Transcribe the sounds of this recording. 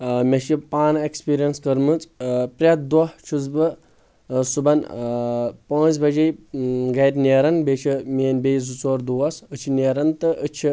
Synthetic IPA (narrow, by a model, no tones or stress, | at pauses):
mʲɐʃipaːnekspiːɾijɐnskɐɾmɨt͡spɾʲɐt̪̚d̪ɔɦt͡ʃʰuzbɨ | subɐn | põːt͡sbɐd͡ʒejɡɐɾʲnʲeːɾɐnbet͡ʃʰimʲeːnbejzut͡soːɾd̪uʋɐsɨt͡ʃʰineːɾɐnt̪ɨʔət͡ʃʰi